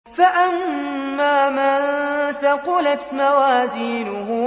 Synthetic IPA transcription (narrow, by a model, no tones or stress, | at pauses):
faʔamːaːmant̪aqʊlat̪mawaːziːnʊɦʊ